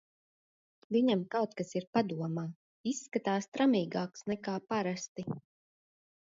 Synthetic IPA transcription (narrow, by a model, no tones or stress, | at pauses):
viɲamkawt̪̚kasiɾpad̪uɔmaː | isːkat̪aːst̪ɾamiːɡaːksnɛkaːpaɾast̪i